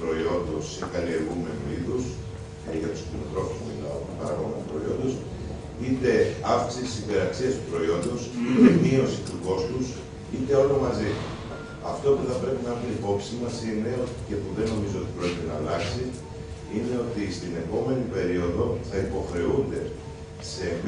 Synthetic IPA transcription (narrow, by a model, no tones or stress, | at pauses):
pɾo̞io̞nd̪osekɐlie̞ɾɣume̞nuiθus | ʝɐt̪u̥sklinot̪ɾo̞fusmino̰ | pɐɾɐ̰ɣoɣmnst̪u̥pɾo̞io̞nd̪o̞s | it̪e̞ɐfksit̪isipe̞ɾɐksiɐst̪u̥pɾo̞io̞nd̪osit̪emio̞sit̪uko̞st̪us | it̪e̞olo̞mɐzi | ɐft̪o̞puθɐpɾe̞pinɐviipo̞psimɐsine̞oce̞puðe̞no̞mizo̞o̞t̪i̥pɾo̞ecit̪enɐːlɐksi | ine̞o̞t̪ist̪ine̞po̞me̞nipe̞ɾio̞ðo̞θɐipo̞xɾe̞und̪e̞ | se̞